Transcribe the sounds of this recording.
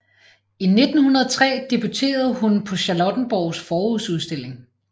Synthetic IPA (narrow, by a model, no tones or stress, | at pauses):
ine̝d̥n̩hunɐðˠɒt͡sʰʁɛ̰ːd̥ib̥ut͡sʰe̝̰ːɐð̞̩ˠɦunpʰɒ̽ɕɑlɒd̥n̩b̥ɒʊsfɒːuðˠsuðˠsd̥e̝l̰e̝ŋ